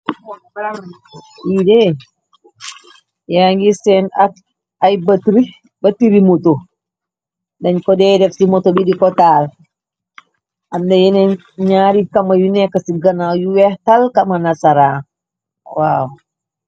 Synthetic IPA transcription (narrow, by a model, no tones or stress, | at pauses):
iːdɛ | jaŋɡisɛna | ajbatɾi | batiɾimoto | dɐɲkɔdɛdɛfsimɔtɔbidikɔtaːl | ʔamdɛjɛnɛ | ɲaːɾikɐmajunɛkːasiɡanajuwɛhtalkamanasaɾa | waw